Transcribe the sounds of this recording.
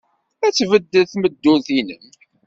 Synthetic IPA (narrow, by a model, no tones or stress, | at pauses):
æt͡sːvəd̪ːəθməd̪ːuθinən